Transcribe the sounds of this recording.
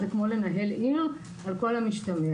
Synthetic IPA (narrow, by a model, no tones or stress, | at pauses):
dekmolenaɦeli | alko̞lamiʃtami